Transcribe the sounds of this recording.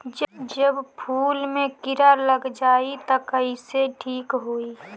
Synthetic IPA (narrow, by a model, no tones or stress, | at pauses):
d͡ʒd͡ʒəbpʰuːlmẽkɪɾaləɡd͡ʒaːit̪əkəiseʈʰiːkɦoːi